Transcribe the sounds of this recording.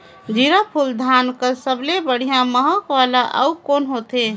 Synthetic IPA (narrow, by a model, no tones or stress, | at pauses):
d͡ʒiɾəpʰuld̪ʱankəsəblebəɽ̤ijãməɦəkʋalaʔə̰ukonɦot̪e